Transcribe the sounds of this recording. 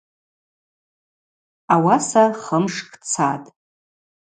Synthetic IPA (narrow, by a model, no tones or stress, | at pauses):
awasaχəmʂkʰʼt͡sʰatʼ